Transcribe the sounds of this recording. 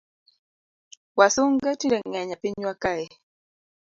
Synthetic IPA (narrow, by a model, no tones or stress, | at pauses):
wasuŋɡɛtidɛŋɛɲapiɲwakaɛ